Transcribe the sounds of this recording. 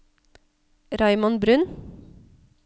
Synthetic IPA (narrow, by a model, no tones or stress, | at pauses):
ɾɑɪmɔnbɾʉn